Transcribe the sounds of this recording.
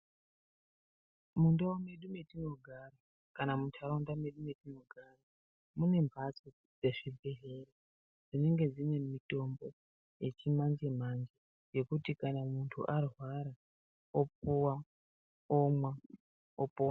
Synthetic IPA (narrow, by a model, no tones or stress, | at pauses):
mundawome̞ɗume̞tino̞ɡʱaɾa | kanamutʰaɾondame̞ɗume̞tino̞ɡʱaːra | mune̞mbʱat͡so | d͡ze̞ʐibʱeɦere | d͡zine̞ŋɡe̞d͡zine̞mito̞mbo̞ | je̞t͡ʃimand͡ʒemand͡ʒe | je̞kutikanamuntʰṵʔarwaɾa | op̚uwa | omwa | opoːwa